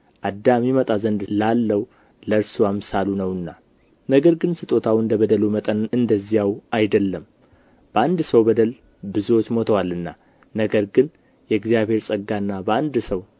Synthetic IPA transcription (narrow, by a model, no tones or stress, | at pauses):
ʔad̪amimət̪ʼazənd̪lalːəw | ləɾsuamsalunəwɨnːa | nəɡəɾɡɨnsɨt̪ʼo̞t̪ʰawɨnd̪əβəd̪əlumət̪ʼənɨnd̪əzːijawʔajd̪əlːəm | b̥əand̪səwbəd̪əl | bɨzuwo̞t͡ʃːmo̞t̪ʰəwalɨnːa | nəɡəɾɡɨn | jɛɡzijaβhe̞ɾsʼəɡːanːabəand̪səw